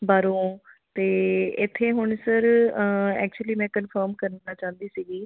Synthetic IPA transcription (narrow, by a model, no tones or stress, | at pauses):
baːɾõː | t̪eːɪt̪ʰːeːɦʊɳsəɾ | ɛ̰ːk̚t͡ʃuəliːmɛ̃ːkənfʰəːɾmkəɾənːaːt͡ʃãːnd̪iːsiːɡiː